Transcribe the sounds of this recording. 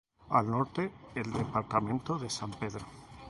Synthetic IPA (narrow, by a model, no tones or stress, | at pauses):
alnoɾt̪eːld̪epaɾt̪amẽ̞nt̪oðesampeðɾo